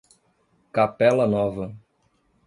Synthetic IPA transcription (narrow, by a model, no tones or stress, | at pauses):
kapɛlɐnɔvɐ